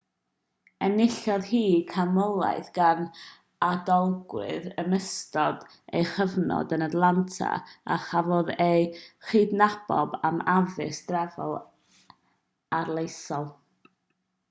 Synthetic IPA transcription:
ɛnɪɬɔðhiːkʰamɔlˠa̰ɨθɡ̥an | adɔlˠɡwɨ̰ðəməstɔd | ḛjχəvnɔ̰dənadlˠantʰa̰aχavɔðejχiːdnab̥ɔ̰bamavɪsd̥rɛvɔlˠ | arlˠejsɔlˠ

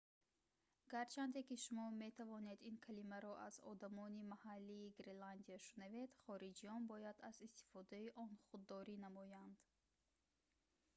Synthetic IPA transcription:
ɡ̥aɾt͡ʃʰand̪e̞kiʃumɔme̞t̪ʰavɔne̞d̪inkʰalimaɾɔʔazɔ̰d̪amɔnimahalːiːɡɾeland̪iaʃunave̞d̪χɔɾid͡ʒiɔnbɔjad̪azist̪i̥fɔd̪aiʔɔnχud̪ːɔɾinamɔjand̪̥

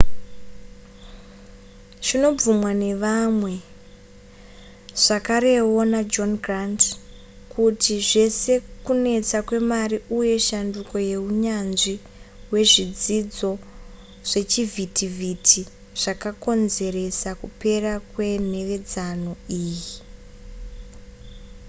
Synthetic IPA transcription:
ʐino̞vumwane̞ʋamwe̞ | ʐ̥akaɾe̞wo̞nad͡ʒo̞nɡrant | kutiʐe̞se̞kune̞t͡sakwe̞mariuje̞ʃanduko̞je̞uɲanʐi | we̞ʐid͡zid͡zo̞ | ʐ̥e̞t͡ʃivʱitivʱitʰi | ʐ̥akako̞nze̞ɾe̞sakupe̞rakwe̞n̤e̞ʋe̞d͡zanoiːji

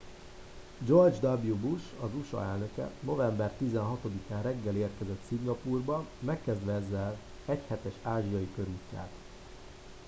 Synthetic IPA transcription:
d͡ʒo̞rd͡ʒd̪ɒbjubuʃɒzuʃɒ̰ɛlnø̞kɛ̰no̞vɛmbɛrt̪izɛnɦɒt̪o̞d̪ikaːnrɛɡːɛleːrkɛzɛt̪siŋɡɒpuːrbɒmɛkːɛzd̪ʋɛɛzːɛl | ɛchɛt̪ɛʃaːʒijɒjikø̞ɾuːcːa̰ːt̪

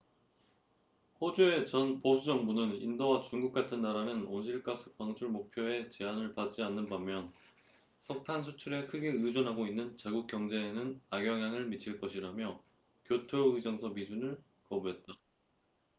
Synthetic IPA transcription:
hod͡ʑue̞t͡ɕʌnposʰud͡ʑʌŋbunɯnindowat͡ɕuŋɡuk̚k͈atʰɯnːaɾanɯnonɕʰiɭk͈as͈ʰɯ̥k̚kp͈aŋt͡ɕʰuɭmok̚pʰjoe̞t͡ɕe̞anɯɭpat̚t͡ɕ͈ianːɯnbamjʌn | sʰʌk̚tʰansʰut͡ɕʰuɾe̞kʰɯɡeɯd͡ʑʌnɦaɡoinːɯnt͡ɕaɡuk̚k͈jʌŋd͡ʑe̞ːnɯnaɡjʌŋjaŋɯɭmit͡ɕʰiɭk͈ʌɕʰiɾamjʌ | kjotʰoɯd͡ʑʌŋsʰʌmid͡ʑunɯɭ | kʌbue̞t̚t͈a

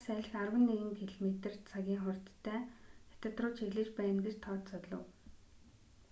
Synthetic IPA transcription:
sæːɮ̆xarwə̆nːeɣɘ̆ŋpʰeɮmet̪̆r̥t͡sʰaɣʲiːŋχʊrʲt̪ʰːæːxe̥t̪ə̆t̪rʊːt͡ɕʰeɣɮɘ̆t͡ɕpæj̆nɡĕt͡ɕt̪ʰɔːt̪t͡sɔt̪ɮə̰̆w

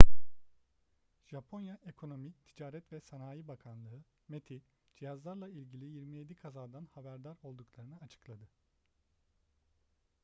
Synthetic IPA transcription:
ʒ̥apʰo̞njaekʰo̞no̞mict̪ʰid͡ʒaːɾɛt̪vɛsanaːjibakʰanlˠɯɯ | met̪ʰi | d͡ʒijazlˠaɾlˠailʲɟilʲijiɾmije̞d̪ikʰazaːd̪anhabæɾd̪aɾo̞lˠd̪uklˠaɾɯnɯat͡ʃʰɯ̥klˠad̪ɯ

